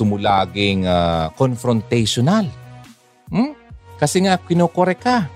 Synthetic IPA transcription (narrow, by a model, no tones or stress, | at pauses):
ʊmʊlaːɡɪŋakonfɾont̪ɛjʃonal | m̩kɐsɛŋaʔkɪnoːkoɾɛka